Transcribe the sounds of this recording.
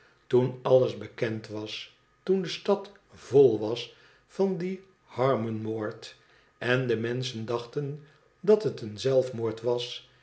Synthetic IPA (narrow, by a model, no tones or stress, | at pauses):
tunɑləzbəkɛntʋɑs | tundəstɑt | v̥olˠʋɑs | fɑndi | hɑɹmənmoːɹt | ʔɛndəmɛnsəndɑχtən | dɑtɦətənzɛlˠfmoːɹtʋɑs